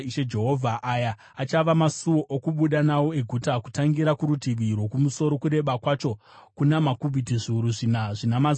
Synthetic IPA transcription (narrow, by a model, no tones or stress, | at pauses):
iʃed͡ʒe̞ɦo̞vʱaʔajaː | t͡ʃaʋamasuoʔokuɓuɗanawo̞e̞ɡʱutaku̥taŋɡiɾakuɾutiʋirwo̞kumuso̞ɾo̞kuɾe̞ɓakwat͡ʃo̞ | kunamakubʱitiʐiuɾuʐinaʐinamaz